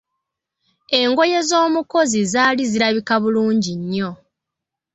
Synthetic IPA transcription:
e̞ŋɡo̞je̞zo̞ːmuko̞zizaːliziɾaβikaβuluːɲɟiɲːo̞

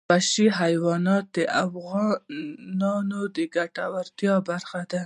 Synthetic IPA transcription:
paʃiɦajwɑnɑt̪̚d̪əʔafɣɑnɑnod̪əɡaʈawaɾt̪jɑbaɾxad̪a

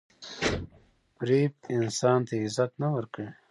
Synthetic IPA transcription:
pɾep̚ɪnsɑːnt̪aɪzat̪nawəɾkəi

